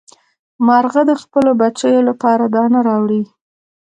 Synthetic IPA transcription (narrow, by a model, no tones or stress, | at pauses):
maɾɣad̪əxpəlobat͡ʃəjolapɑɾad̪ɑnaɾɑwɽi